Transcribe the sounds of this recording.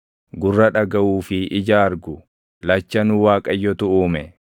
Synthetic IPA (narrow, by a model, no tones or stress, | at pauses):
ɡʊrːɐᶑɐɡɐʔuːfɪʔɪd͡ʒaːɾɡʊ | lɐt͡ʃːɐnʊwaːkʼɐjːɔt̪ʊʔuːmɛ